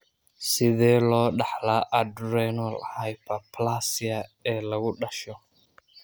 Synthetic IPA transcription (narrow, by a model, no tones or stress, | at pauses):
sɪðɛːlɔːɗɑħlaːʔɐdɾɛnɔlhajpɐplasɪɐɛːlɐɣʊɗɐʃɔ